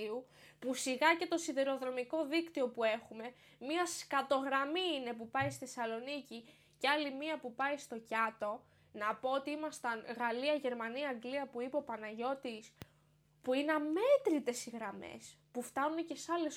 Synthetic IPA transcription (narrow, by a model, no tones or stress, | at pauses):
iu | pusiɣɐce̞t̪o̞siðeɾo̞ðɾo̞miko̞ðikt̪io̞pue̞xume̞ | miɐskɐt̪o̞ɣɾɐmiine̞pupɐjsθesɐlo̞nici | ceɐlimiɐpupɐjist̪o̞cɐt̪o̞ | nɐpo̞ot̪iimɐst̪ɐnɣɐliɐʝe̞ɾmɐniɐːŋɡliɐpuipo̞pɐnɐʝo̞t̪is | puineɐme̞t̪ɾit̪e̞siɣɾɐme̞̰s | puft̪ɐnunece̞sɐle̞s